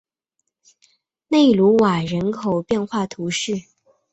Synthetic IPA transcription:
ne˥˩ɪlu˧˥wa˨˩ɻə˧˥nkʰo˨˩ʊpjɛ˥˧nxwa˥˩t̪ʰu˧˥ʂɻ̩˥˩

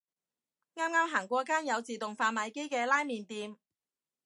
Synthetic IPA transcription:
ŋaː˥mŋaː˥mɦaː˨˩ŋkʷɔː˧kaː˥njɐ˨˧wt͡siː˨˩t̪ʊ˨ŋfaː˧mɐ˨˧jke˥jkɛː˧laː˥jmiː˨nt̪iː˧m

